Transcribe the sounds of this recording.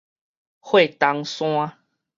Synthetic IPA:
hwe˥˨t̪a˧ŋsw̃ã˦

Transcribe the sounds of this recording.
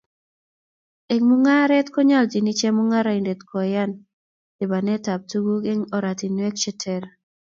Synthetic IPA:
e˨ŋmu˦ŋa˦ɾɛ˦tko˦ɲa˦ld͡ʒi˨ni˦t͡ʃɛ˦mu˦ŋa˦ɾa˨i˨nde˨tkɔ˨ja˦n | dɪ˨ba˨nɛ˦ta˨p̚tu˦ɡu˦ɡe˦ŋɔ˨ɾa˨ti˨nwɛ˦k̚t͡ʃe˦tʰɛ˨l

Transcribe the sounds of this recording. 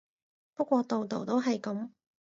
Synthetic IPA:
pɐ˥kʷɔː˧t̪o˨wt̪o˨wt̪o˥wɦɐ˨jkɐ˨˥m

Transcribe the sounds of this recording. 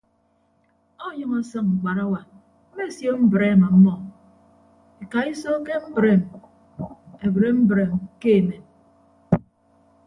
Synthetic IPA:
o˦jʌ˦ŋɔ˦sʌ˦ŋŋ͡m̩˨k͡pa˨ɾa˦wa˨ | m̩˦me˦˨sjo˦m̩˦bɾe˦˨ma˨˦mːɔ˨ | e˨ka˨i˦sɔ˦ke˦m̩˦bɾe˦˨m | e˨bɾe˦m̩˦bɾe˨mke˦e˨me˨

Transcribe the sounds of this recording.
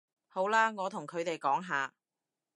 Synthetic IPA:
ho˨˥wlaː˥ŋɔː˨˧t̪ʰʊ˨˩ŋkʰɵ˨˧ɥt̪e˨jkɔː˨˥ŋɦaː˨˧

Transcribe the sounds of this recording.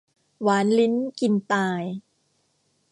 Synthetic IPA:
waː˩˦nli˦˥nki˨˧nt̪aː˧j

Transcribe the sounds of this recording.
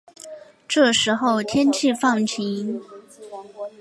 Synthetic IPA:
ʈ͡ʂɤ˥˩ʂɻ̩˧˥xo˥˩ʊt̪ʰjɛ˥nt͡ɕʰi˥˧fɑ˥˩ŋt͡ɕʰi˧˥ŋ

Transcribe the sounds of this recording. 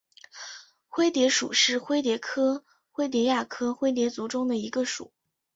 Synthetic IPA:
xwe˥ɪt̪jɛ˧˥ʂṵ˨˩ʂɻ̩˥˩xwe˥ɪt̪̬jɛ˧˥kʰɤ˥ | xwe˥ɪt̪jɛ˧˥ja˥˩kʰɤ˥xwe˥ɪt̪jɛ˧˥t͡su˧˥ʈ͡ʂʊ˥ŋd̪ə˨i˧˥ɡə˧ʂṵ˨˩˦

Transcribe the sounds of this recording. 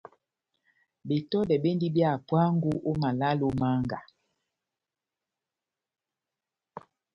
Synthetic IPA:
be˨tɔ˦dɛ˨be˦ndi˦bja˦˨pwa˦ŋ˦ɡu˦ʔo˦ma˨la˦lo˨ma˦ŋɡa˨

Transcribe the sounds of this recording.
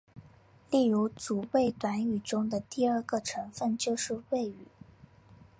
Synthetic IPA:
li˥˩ɻu˧˥t͡su˨˩we˥˩ɪt̪wa˧˥ny˨˩ʈ͡ʂʊ˥ŋd̪ə˨t̪i˥˧ə˞˥˩ɡə˨ʈ͡ʂʰɤ˧˥ŋfə˥˧nt͡ɕjo˥˧ʊʂɻ̩˥˧we˥˩ɪy˨˩˦

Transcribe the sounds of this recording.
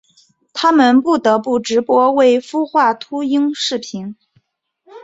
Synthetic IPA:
t̪ʰa˥mə˨npu˥˩t̪ɤ˧˥pu˥˩ʈ͡ʂɻ̩˧˥pwɔ˥we˥˩ɪfu˥xwa˥˩t̪ʰu˥i˥ŋʂɻ̩˥˩pʰi˧˥n

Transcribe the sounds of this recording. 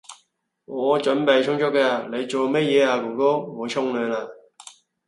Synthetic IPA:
ŋɔː˨˧t͡ʃɵ˨˥npe˨˩jt͡ʃʰʊ˥ŋt͡ʃɔ˥kɛː˧a˨le˨˧jt͡ʃo˨˩wmɛ˥t̚jɛː˨˧aː˨˩ku˨˩ko˥ŋo˨˧t͡ʃʰʊ˥ŋlœː˨˧naː˨˩

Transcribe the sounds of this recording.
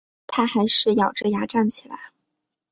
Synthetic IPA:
t̪ʰa˥xa˧˥ɪʂɻ̩˥˩jɑ˨˩ʊʈ͡ʂɤ˥˩ja˧˥ʈ͡ʂa˥˩nt͡ɕʰi˨˩la̰˧˥ɪ

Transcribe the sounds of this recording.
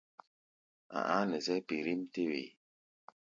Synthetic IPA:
a̰˨ʔa˦nə˨zɛ˦pi˨ɾi˦mte˦wḛ˨

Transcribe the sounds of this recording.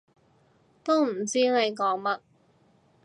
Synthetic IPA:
t̪o˥wm̩˨˩t͡siː˥ne˨˧jkɔː˨˥ŋmɐ˥t̚

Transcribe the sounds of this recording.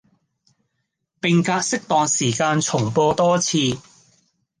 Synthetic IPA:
pɪ˨ŋkaː˧t̚sɪ˥k̚t̪ɔː˨ŋsiː˨˩kaː˧nt͡ʃʰʊ˨˩ŋpɔː˧t̪ɔː˥t͡sʰiː˧

